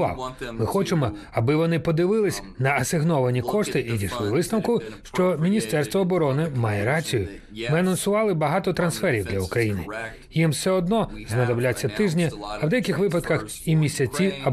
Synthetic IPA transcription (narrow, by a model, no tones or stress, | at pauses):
ɑ̰wmɪxɔt͡ʃemɔɐbɪʋɔnɪpɔd̪ɪʋɪlˠɪsʲ | nɐɐsɪɦnɔʋɐnʲikɔʂt̪ɪʔidʲiʃlˠɪʋɪsnɐwkʊʃt͡ʃɔmʲinʲist̪ɛrst̪ʋɔːbɔɾɔnɪmɑjɛɾɑt͡sʲijʊ | mɪɐnɐnsʊʋɑlˠɪbɐɦɑt̪ɔt̪ɾɐnsfɛɾʲiwd̪lʲɐukɾɐjinɪ | jimsɛɔd̪̚nɔznɐd̪ɐblʲat͡sʲːɐt̪ɪʒnʲɐɐwd̪ɛjɐkɪxʋɪpɐt̪kɐx | imʲisʲɐt͡sʲiɐ